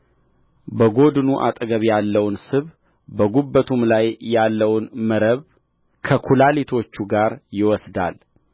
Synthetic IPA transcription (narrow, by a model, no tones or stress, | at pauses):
bəɡo̞d̪ɨnuʔa̰t̪ʼɡəβjalːəwnsɨβ | bəɡubːət̪ʰumlajːalːəwnməɾəβ | kʰəkʰulalit̪ʰo̞t͡ʃːuɡaɾjɪwɔsd̪a̰l